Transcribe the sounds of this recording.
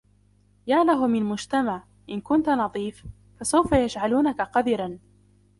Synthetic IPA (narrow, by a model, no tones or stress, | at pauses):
jaːlaɦʊmɪlmʊd͡ʒt̪amaʕ | ʔɪnkʊnt̪anɑðˤiːf | fasawfajaʃʕaluːnakaqɑd̪ɪɾan